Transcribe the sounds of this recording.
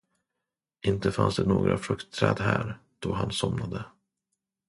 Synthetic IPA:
ʔɪnt̪əfansd̪ɛnoːɡɾʔafɾɵkt̪ʰːɾɛːd̪ɦæːɾd̪̥ɔɦansɔmnad̪ə

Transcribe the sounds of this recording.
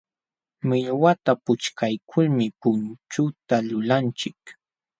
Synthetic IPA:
mɪʎwat̪apʊt͡ʃkajkʰʊlmɪpʊnt͡ʃʊt̪alʊlant͡ʃɪk

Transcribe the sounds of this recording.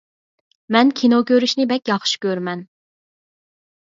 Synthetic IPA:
mɛnkʲʰinokʲøɾyʃnɪbɛkʲjɑχʃi̥kʲøɾmɛn

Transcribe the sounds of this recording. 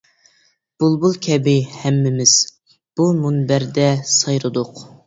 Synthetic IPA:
b̥ulˠbulˠkʲʰɛbɪhɛmːɪmɪz̥ | b̥umunbæɾd̪ɛsɑjɾɨd̪ʊq

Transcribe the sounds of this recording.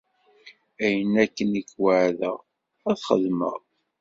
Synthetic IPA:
æjənːækːənikwəʕðə̰ | æθχə̰ðmə̰ʁ

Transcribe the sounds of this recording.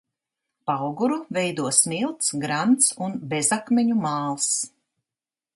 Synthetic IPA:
pawɡuɾuvɛjd̪uɔsmilˠt̪sɡɾant̪sunbezakmʲeɲumaːlˠs

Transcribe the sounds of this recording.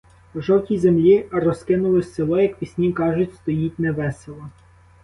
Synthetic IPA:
ʒɔwtʲijzemlʲiɐrɔskɪnʊlˠɪselˠɔjɐkpʲisʲnʲikɑʒʊtʲst̪ɔjitʲnɛʋɛselˠɔ

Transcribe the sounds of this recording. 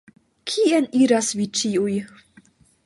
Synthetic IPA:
kʰieniɾasvit͡ʃiuj

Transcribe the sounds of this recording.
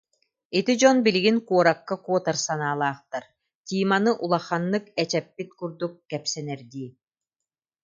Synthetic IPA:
it̪id͡ʑɔnbiliɡinkuɔɾakːakuɔt̪ɐɾsanaːlˠaːχt̪aɾ | t̪ʲiːmanɯʔulˠaχanːɯkɛt͡ɕɛpːit̪kuɾd̪ukːɛpsɛnɛɾd̪iː

